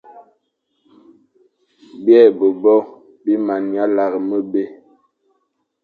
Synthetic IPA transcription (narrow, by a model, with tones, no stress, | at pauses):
bjɛ˦˨bo˨bɔ˦ | bi˦ma˨nja˦la˨ɣmə˦be˦